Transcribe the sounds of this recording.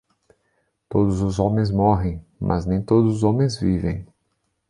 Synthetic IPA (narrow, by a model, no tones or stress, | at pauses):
t̪od̪ʊzʊzõmẽj̃zmɔɦẽj̃mʔɐ̰znẽj̃t̪od̪ʊzʊzõmẽj̃zvivḛ̃j̃